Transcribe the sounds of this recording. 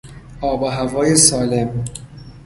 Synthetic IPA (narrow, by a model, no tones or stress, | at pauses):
ɒːbɒɦævɒːjesɒːle̞m